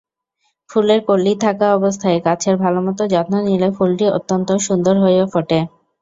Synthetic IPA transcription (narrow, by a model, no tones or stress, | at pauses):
fuleɾkolːit̪ʰakaɔbos̬t̪ʰaekat͡ɕʰeɾbʱalomɔt̪od͡ʑɔt̪nonilefulʈio̰t̪ːont̪oʃund̪oɾɦojofoʈe